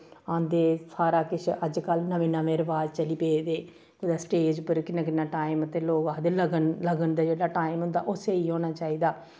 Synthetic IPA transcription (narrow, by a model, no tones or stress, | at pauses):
ãːnd̪eːsaːɾaːkɪt͡ʃʰəd͡ʒkəlnəʋĩːnãːmeːɾʋaːd͡ʒt͡ʃəliːpeːd̪eː | kʊd̪aːsʈeːd͡ʒpəɾkɪnːãːk̬ɪnːãːʈaːɪmət̪eːloːɡaːd̪eːləɡənləɡənd̪aːd͡ʒeːɽaːʈaːɪmɦʊ̃nd̪a̰ːʔʊseːiːõːnaːt͡ʃaːiːd̪aː